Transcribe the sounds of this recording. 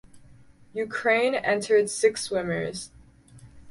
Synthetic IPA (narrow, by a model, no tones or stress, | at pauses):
jʉkʰɹ̥ẽɪ̃nɛ̃ntʰə˞dsɪkswɪ̃mə˞z̥